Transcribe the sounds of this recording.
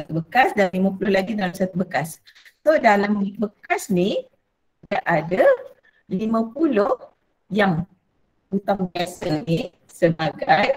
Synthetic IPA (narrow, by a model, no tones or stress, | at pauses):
at̪ubəkasdanlimãpulʊhlaɡidalamsat̪ubəkas | sodalambəkasni | daʔʔada | limãpulo | jaŋ | ut̪aŋbiasəni | səbaɡaj